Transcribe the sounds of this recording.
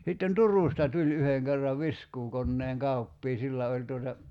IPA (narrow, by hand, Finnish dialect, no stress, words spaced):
sitːen turˑuˑstɑ tulʲ yheŋ kerːɑʋ ʋiskuːkonːeːŋ kɑupːiː silːæ olʲ tuotɑ